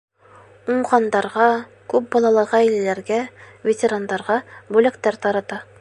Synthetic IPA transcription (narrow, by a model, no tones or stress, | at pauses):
uɴʁɑnd̪ɑɾʁɑ | kʉp̚bɒlˠɑlˠɤʁɑæjlælæɾɡævʲetʲeɾand̪ɑɾʁɑbʉlækt̪æɾt̪ɑɾɑt̪ɑ